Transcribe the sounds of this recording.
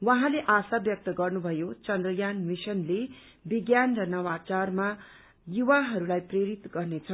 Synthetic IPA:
waɦãleʔasabjʌk̚t̪ʌɡʌrnubʱʌjot͡sʌnd̪rʌjanmisʌnle | biɡjanrʌnʌwat͡sarma | juwaɦʌɾulajpreɾit̪ɡʌrnet͡sʰʌ

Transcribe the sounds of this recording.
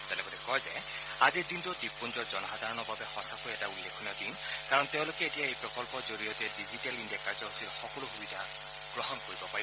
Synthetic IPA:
tɛnɛbɔlɛkɔjzɛ̰ | azidintʊtip̚ponzɔɹzɔnɔxad̪ʱaɹɔnɔbabɛxɔsakojɛtaulːekʰunadin | kaɹɔnteʊ̃lokɛetijaejpɹɔkɔlpɔɹzoɹijɔtɛdizitalindakaɹzɔɦostʰitxɔkɔlʊxubid̪ʱa | ɡɹɔɦɔnkoɹibɔpai

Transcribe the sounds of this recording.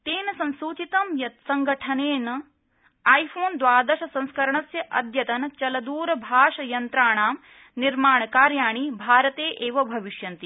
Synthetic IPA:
t̪eːnɐsɐ̃nsuːt͡ʃit̪ɐmjɐt̪sɐŋɡɐʈʰɐneːnɐ | aːjfʰoːnd̪ʋaːd̪ɐʃɐsɐ̃ñskɐɾɐɳɐsjɐʔɐ̰d̪ʱjɐt̪ɐnɐt͡ʃɐlɐd̪uːɾɐbʱaːʂɐjɐnt̪ɾaːɳaːm | niɾmaːɳɐkaːɾjaːɳ̃ibʱaːɾɐt̪eːʔeːʋɐbʱɐʋiʃjɐnt̪i

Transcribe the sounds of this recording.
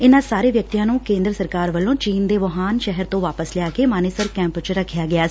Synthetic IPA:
ɪnãːsaːɾeːʋjək̚t̪ijãːnũːkẽːnd̪ɾəsəɾkaːɾʋəlːõːt͡ʃiːnd̪eːʋəɦaːnʃɛɦəɾt̪õːʋaːpəslɪjaːkeːmaːneːsəɾkɛ̃ːmpt͡ʃɾəkʰːjaːɡɪjaːs

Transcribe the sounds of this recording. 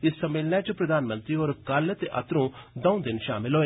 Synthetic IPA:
ɪsːɐmɪlnat͡ʃəpɾɐd̪aːnmə̃nt̪ɾioːɾkalət̪eʔɐ̰t̪ɾõd̪ɐ̃ũd̪ɪnʃaːmɪlɦoːeː

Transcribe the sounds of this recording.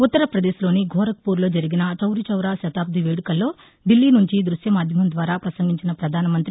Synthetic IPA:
ut̪ːɐɾɐpɾɐd̪eːslo̞ːniɡʱɔːɾɐk̚puːɾlo̞ːd͡ʒɐɾiɡinɐt͡ʃɐwɾit͡ʃɐwɾaːʃɐt̪aːb̚d̪ʱiʋeːɽukɐlːo̞ː | ɖilːiːnuɲt͡ʃid̪ɾuʃjɐmaːd̪ʱjɐmɐmd̪ʋaːɾaːpɾɐsɐŋɡʱiɲt͡ʃinɐpɾɐd̪ʱaːnɐmɐnt̪ɾi

